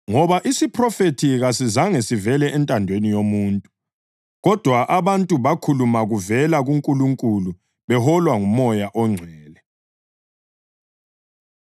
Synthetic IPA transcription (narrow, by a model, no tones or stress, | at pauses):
ŋɔβaʔisipʰrɔfetʰiɣasizaŋesivɛlɛʔɛntʼandʱwenijomuːntʼu | ɣɔd̥ʱwaʔaβantʼuβakʰulumaɣuvɛlaɣuŋkʼuluŋkʼulu | βɛhɔlwaŋumɔjaʔɔŋ͡ǀʱwɛːlɛ